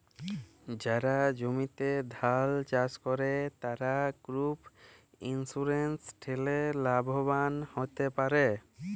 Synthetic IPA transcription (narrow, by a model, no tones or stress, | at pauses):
d͡ʑaɾad͡ʒomit̪ed̪ʱalt͡ʃaskɔɾet̪aɾaɡ̥ɾup | insuɾensʈʰelelabʱobanhot̪epaɾe